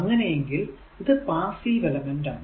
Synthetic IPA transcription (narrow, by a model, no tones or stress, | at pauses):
ɐŋːɐneɛŋɡɪl | ɪðɯpaːsiʋɛlɐmɛnɖɐ